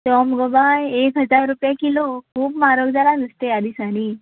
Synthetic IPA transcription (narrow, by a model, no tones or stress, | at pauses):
t̪ɔmɡobajekɦəd͡zaɾːupjakilokʰuːpmaɾoɡd͡zalanəst̪ead̪ʱiːsaniː